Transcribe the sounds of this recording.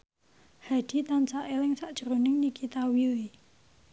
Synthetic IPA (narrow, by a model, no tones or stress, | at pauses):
had̪̥i̤t̪ansaʔelɪŋsaʔd̥ʒ̥əɾonɪŋnikit̪awiwi